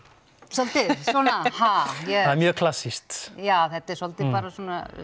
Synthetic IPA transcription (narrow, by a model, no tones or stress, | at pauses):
sɔlt̪ɪsɔːnahajɛaðɛɾmjœːkʰl̥asːist̪jaːθɛt̪ɛɾsɔlt̪ɪpaːɾasɔna̰